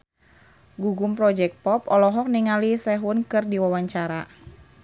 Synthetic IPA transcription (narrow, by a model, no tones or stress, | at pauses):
ɡuɡʊmpɾɔd͡ʒɛk̚t̪̚pɔpɔlɔɦɔk̚niŋalisɛɦʊnkɨrdiwawaɲt͡ʃaɾa̰